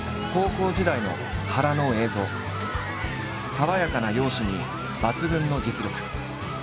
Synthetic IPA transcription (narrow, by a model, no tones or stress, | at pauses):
ko̞ːko̞ːʑid̪aino̞̰ | haɾano̞ːe̞ːzo̞ː | saβajakanajo̞ːɕiɲ̟i | bat͡sɨbɯ̟̃nːo̞d͡ʑit͡sɨɾʲokɯ̟̥